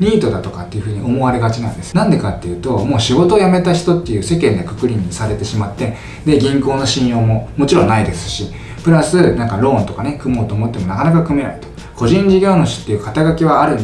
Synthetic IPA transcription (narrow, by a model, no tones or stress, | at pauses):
ɲʲiːt̪o̞d̪at̪o̞kat̪ːe̞iɯ̟ɸɯ̟ːɲ̟iʔo̞mo̞βaɾe̞ɡat͡ɕinã̰nd̪e̞sɨ̥nãnd̪e̞kat̪ːe̞jɯ̟ːt̪o̞mo̞ːɕiɡo̞t̪o̞ːjame̞t̪açi̥t̪o̞t̪ːe̞jɯ̟ːse̞kẽ̞nd̪ekɯ̟kɯ̟ɾʲiɲ̟ːisaɾe̞t̪e̞ɕimat̪ːe̞ | d̪e̞ɡʲĩŋko̞ːno̞ɕĩjo̞ːmo̞mo̞t͡ɕiɾõ̞nːaid̪e̞sɨ̥ɕi | pɯ̟ɾasɨnãŋkaɾõ̞ːnt̪o̞kane̞kɯ̟mo̞ːt̪o̞ːmo̞t̪ːe̞mo̞nakanakakɯ̟mena̰it̪o̥ | ko̞ʑĩɲd͡ʑiɡʲoːnoɕi̥t̪ːejɯ̟ːkat̪aɡakʲiβ̞aːɾɯ̟̃n